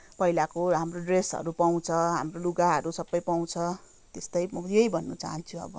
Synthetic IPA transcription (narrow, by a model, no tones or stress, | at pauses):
pʌɦilakoɦamroɖresʌ̰ɾupaw̃t͡sʰʌɦa̰mroluɡaɦʌɾusʌbːʌjpaw̃t͡sʰʌ | t̪est̪ʌjmʌjejbʱʌnːʌt͡sa̰ɦʌnt͡sʰuʌ̰bʌ